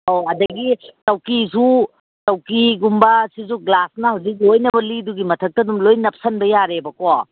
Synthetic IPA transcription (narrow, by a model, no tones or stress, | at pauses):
oɐdɐɡitɐwkisu | tɐwkiɡumbɐsizuɡlasnɐhɐwzik̬̚ojnɐbɐliduɡimɐtʰɐk̚tɐdumlojnɐp̚sɐnbɐjaɾebɐko